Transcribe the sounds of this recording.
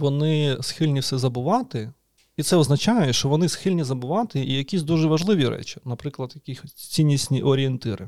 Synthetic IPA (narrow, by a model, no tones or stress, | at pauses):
ʋɔnɪsxɪlʲnʲiwsɛzɐbʊʋɑt̪ɪ | it̪sɛɔznɐt͡ʃɑjɛʃt͡ʃɔʋɔnɪsxɪlʲnʲizɐbʊʋɑt̪ɪijɐkʲisʲd̪uʒɛʋɐʒlˠɪʋʲiɾɛ̰t͡ʃʲi̥nɐpɾɪklˠɐd̪jɐkʲixɔsʲt͡sʲinʲːisʲnʲiʔɔɾʲɪent̪ɪɾɪ